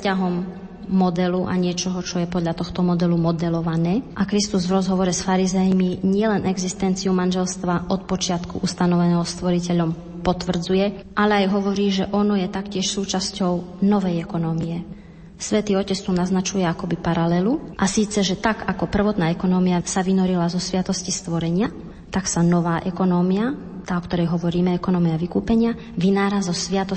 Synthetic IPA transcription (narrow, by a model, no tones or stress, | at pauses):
caɦɔmː | ɔd̪ɛluʔa̰ɲɪɛt͡ʃɔɦɔt͡ʃɔjɛpɔd̪ʎat̪ɔxt̪ɔmɔd̪ɛlumɔd̪ɛlɔʋanɛːʔakɾist̪uzvɾɔzɦɔʋɔɾɛsfaɾizɛjmiɲɪɛlɛnʔɛɡzist̪ɛnt͡siumanʒɛlst̪ʋaʔɔt̪̚pɔt͡ʃɪat̪kṵʔust̪anɔʋɛnɛːɦɔst̪ʋɔɾicɛʎɔm | pɔt̪ʋr̩d͡zujɛʔalɛajɦɔʋɔɾiːʒɛʔɔnɔjɛt̪akcɪɛʃsuːt͡ʃascɔʊnɔʋɛjɛkɔnɔːmijɛ | sʋɛt̪iːɔcɛt͡st̪unaznat͡ʃujɛakɔbipaɾalɛluʔasiːt͡sɛʒɛt̪aɡakɔpr̩ʋɔt̪naːɛkɔnɔːmijasaʋinɔɾilazɔsʋɪat̪ɔscist̪ʋɔɾɛɲɪa | t̪aksanɔʋaːʔɛkɔnɔːmia | t̪aːɔkt̪ɔɾɛjɦɔʋɔɾiːmɛɛkɔnɔːmiaʋikuːpɛɲɪa | ʋinaːɾazɔsʋɪat̪ɔ